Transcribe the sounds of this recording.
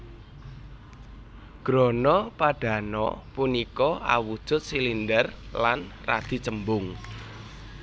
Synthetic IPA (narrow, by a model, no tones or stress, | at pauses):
ɡ̥ɾɔnɔpaɖ̥ä̤nɔ̰punikɔʔa̰wud̥ʒ̥ʊ̤t̪̚silindərlanra̰d̪̥i̤t͡ʃəmbʊŋ